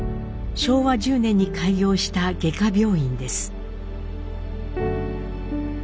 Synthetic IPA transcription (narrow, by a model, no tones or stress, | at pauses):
ɕo̞ːβad͡ʑɨːnẽ̞ɲ̟ːikʰaiɡʲo̞ːɕi̥t̪aɡe̞kabʲo̞ːĩnd̪e̞sɨ̥